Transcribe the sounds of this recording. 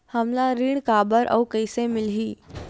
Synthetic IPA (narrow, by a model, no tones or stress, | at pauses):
hɐmlaɾiːɽ̃kaːbəɾʔɔ̰ːkəɪsemɪlɦiː